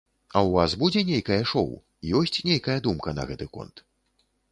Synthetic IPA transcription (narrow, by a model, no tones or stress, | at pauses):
ɐwvasbud͡zʲɛnʲejkɐjɐʂɔ̰w | ijɔsʲt͡sʲnʲejkɐjɐd̪umkɐnɐ̰ɣɛt̪ɨkɔ̰nt̪